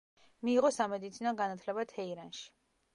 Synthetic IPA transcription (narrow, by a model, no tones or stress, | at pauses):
miːʁɔsamɛd̪it̪sʰinɔɡanat̪ʰlɛbat̪ʰɛiɾanʃi̥